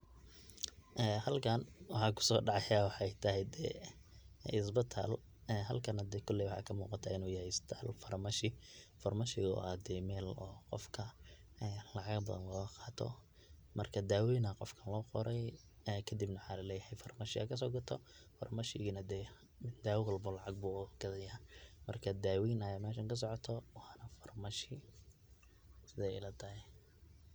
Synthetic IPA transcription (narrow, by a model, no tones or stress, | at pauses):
ʔɛhɐlkʰɐnwɑħɑːkʰʊ̥sɔːɖɑʕɑjawɑħjt̪ʰɐɦɛjd̪ɛ̰ | ɪs̬bɪt̪ʰa̰l | ɛɦɐlkʰɐnɐd̪ɛːkʰʊlːɪwʊħɑ̰ːkʰɐmuːqɑt̪ʰaːɪnuːjɐhɛjɪst̪ʰaːlfɐrmɐʃɪfɐrmɐʃɪɣ̰ad̪ɛːmɛːlɔːqɔ̰fkʰɐ | ɛːlɑʕɑɡbɐðɐ̰nlɔːɣɐqɑːt̪ʰɔ̰ | mɐ̰rkʰɐd̪aːwiːnɐqɔfkʰɐnlɔːqɔɾʔɛj | ɛkʰɐd̪ibnɐwħaːlɐlɛːjɐhɛjfɐrmɐʃɪɐ̰kʰɐs̬ɔːɡɐt̪ʰɔ | fɐ̰rmɐʃɪɣnɐd̪ɛː | d̪aːwwɐlbɔlɑʕɑɡ̚buɡ̥ɐðɐjamɐrkʰɐd̪aːwiːnɐjaːmɛːʃɐŋkʰɐs̬ɔʕɔt̪ʰɔwɑːnɐfɐrmɐʃɪ | sɪðɛjɪ̰lɐt̪ʰɐhɛj